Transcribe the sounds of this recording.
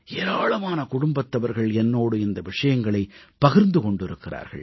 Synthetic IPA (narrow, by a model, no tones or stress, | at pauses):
eːɾaːɭɐmaːnɐkʊɽʊmbɐt̪ːɐʋɐɾɣɐɭɛnːoːɽɯɪnd̪ɐʋɪʂɐjɐŋɡɐɭɐɪpːɐɣɪɾnd̪ɯkɔɳɖɪɾɯkːɪra̰ːɾɣɐ̰ɭ